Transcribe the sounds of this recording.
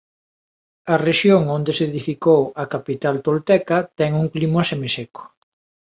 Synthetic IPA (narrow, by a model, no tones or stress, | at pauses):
ɐreʃjoŋond̪eseðifikowɐkapit̪alt̪olt̪ɛkɐt̪ɛŋuŋklimoesemeseko̥